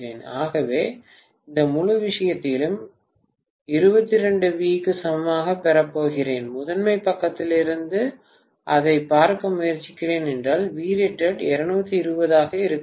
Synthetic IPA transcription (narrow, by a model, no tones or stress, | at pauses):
eːnaːɣɐʋeː | ɪnd̪ɐmʊɻɯʋɪʂɐjɐt̪ːɪlɯm | ɪɾɯbɐt̪ːɪɾɛɳɖɯʋiːkːɯsɐmɐmaːɣɐpːɛɾɐpːoːɣɪreːnmʊðɐnmɐɪpːɐkːɐt̪ːɪlɪɾɯnd̪ɯ | ʔɐðɐɪpːaːɾkɐmʊjɐɾt͡ʃːɪkːɪreːnɛndraːlʋiːɾeʈːɐɖɛɾɐɳɯbɐt̪ːɯɪɾɯbɐðaːɣɐɪɾɯkː